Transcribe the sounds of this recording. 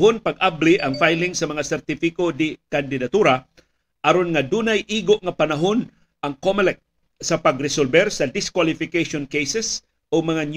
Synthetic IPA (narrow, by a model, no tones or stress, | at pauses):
ɦʊnpaɡ̚ablɪʔɐŋfajlɪŋsɐmɐŋasɛɾt̪ɪfɪkod̪ɪkand̪ɪd̪at̪uɾa | ʔaɾonŋad̪unajʔiːɡoʔŋapanaɦon | ʔaŋkomɛlɛk̚ | sɐpaɡɾɪsolbɛɾsɐd̪ɪskwalɪfɪkejʃonkejsɛs | oɡmɐŋan